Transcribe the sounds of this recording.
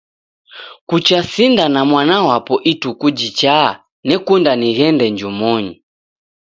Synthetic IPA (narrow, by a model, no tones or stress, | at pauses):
kut͡ʃasindanamwanawapɔʔitukud͡ʒit͡ʃa | nɛkundaniɣɛndɛɲd͡ʒumɔɲi